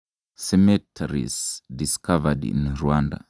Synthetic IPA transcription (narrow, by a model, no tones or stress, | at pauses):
sɛmɛtʰɛɹḭzdiskʰavədḭ̃nɹuãnda̰